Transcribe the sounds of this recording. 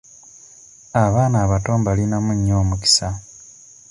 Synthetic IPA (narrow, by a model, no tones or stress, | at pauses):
aβaːnaːβato̞ːmbalinamuɲːo̞ːmuki̥sa